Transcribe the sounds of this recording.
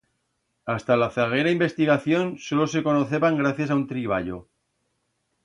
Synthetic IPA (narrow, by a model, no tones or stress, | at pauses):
ast̪alaθaɣ̞eɾaimbe̞st̪iɣaθjo̞nso̞lo̞se̞ko̞noθe̞βaŋɡɾaθjasaunt̪ɾiβ̞a̰ʎo̰